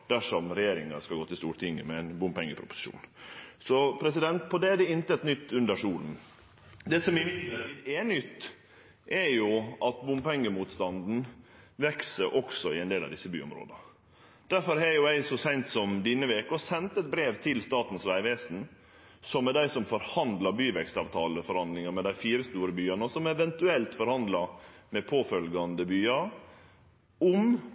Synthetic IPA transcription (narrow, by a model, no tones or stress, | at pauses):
d̪̥æʂɔmɾɛjeːɾɪŋɑskɑlɡoːt̪ɪst̪uːɾʈ̪ʰɪŋːəmɛɛnbʊmpɛŋːəpʰɾʊpʊ̥sɪ̥ʃṵːnsɔpʰɾɛs̬ɪd̪ɛnt̪pʰɔd̪ɛæɖɛɪnt̪əɛt̪nʏt̪ːʉnd̪əʂuːln̩ | d̪ɛːsɔmɪeːnʏt̪ː | ʔɛɾjʊʔɑt̪bʊmpɛŋːəmuːt̪st̪ɑnd̪n̩ʋɛksəɾʔɔksɔɪɛɪnd̪eːlɑ̰ʋd̪ɪsːəby̰ːɔ̰mɾo̰ːd̪ɑ | d̪̥æɾfɔɾhɛɾjʊæɪsɔsæɪnt̪sɔmd̪ɪnːəʋeːkəɔsɛnt̪əɛt̪̚bɾeːʋt̪ʰɪlst̪ɑːt̪n̩sʋæɪʋeːsn̩ | sɔmːɛd̪æɪsɔmfɔɾhɑnd̪lɑɾbyːʋɛkst̪ɑːʋt̪ʰɑːləfɔɾhɑnd̪lɪŋɑmɛd̪æɪfiːɾəst̪uːɾəbyːɑnəsɔmɛʋɛnt̪ʉɛlt̪fɔɾhɑnd̪lɑɾmɛpʰoːfœlɡɑnd̪əbyːɑɾ | ʊm